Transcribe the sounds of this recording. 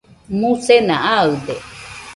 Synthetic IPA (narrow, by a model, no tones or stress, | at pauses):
mũsenãaɯd̪e